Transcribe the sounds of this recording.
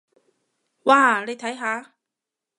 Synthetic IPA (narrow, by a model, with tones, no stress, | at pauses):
waː˧˩le˨˧jt̪ʰɐ˨˥jɦaː˨˥